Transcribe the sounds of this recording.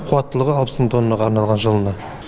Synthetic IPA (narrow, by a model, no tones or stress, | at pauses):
qʰuwɑt̪ːəlˠəʁəɑlˠpəsmnt̪ʰo̞nːɑʁɑɾnɑlˠʁɑnʒəlˠənɑ